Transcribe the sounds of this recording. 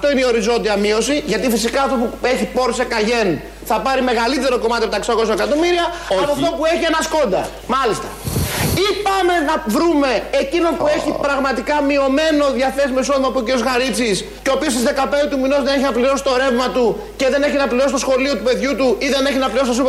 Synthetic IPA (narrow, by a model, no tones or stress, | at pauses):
ɐft̪o̞ineio̞ɾizo̞nd̪iɐmio̞siʝɐt̪ifisikɐːft̪o̞pue̞çipo̞ɾsekɐʝe̞n | θɐpɐɾime̞ɣɐlit̪e̞ɾoko̞mɐt̪ipet̪ɐeksɐko̞sɐekɐt̪o̞miɾiɐɐpoft̪o̞pue̞çie̞nɐsko̞nd̪ɐ | mɐlist̪ɐ̥ipɐme̞nɐvɾume̞ːcino̞npue̞çipɾɐɣmɐt̪ikɐmio̞me̞no̞ðʝɐθe̞simeiso̞ðimɐpuociɾiozɣɐɾit͡sis | ceopiosizðe̞kɐpeit̪umino̞zðene̞çinɐpliɾo̞si̥t̪oɾe̞vmɐt̪u | ce̞ðe̞ne̞çinɐpliɾosist̪o̞sxo̞lio̞t̪upe̞ðʝut̪uiðe̞ne̞çinɐpliɾst̪osip